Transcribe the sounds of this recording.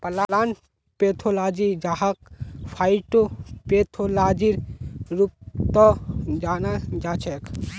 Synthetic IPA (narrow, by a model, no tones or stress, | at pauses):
pɐlalaːn | peːt̪ʰolaːd͡ʒid͡ʒaɦak̚pʰajʈopet̪ʰolaːd͡ʒiɾɾup̚t̪ɔd͡ʒaːnad͡ʒaːt͡ʃʰek